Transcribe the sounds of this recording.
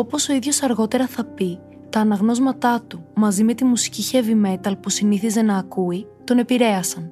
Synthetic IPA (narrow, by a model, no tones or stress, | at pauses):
o̞po̞so̞iðʝo̞sɐɾɣo̞t̪e̞ɾɐθɐpi | t̪ɐːnɐɣno̞zmɐt̪ɐt̪umɐzime̞t̪imusi̥ciçevime̞t̪ɐlpusiniθize̞nɐːkui | t̪o̞ne̞piɾe̞ɐsɐn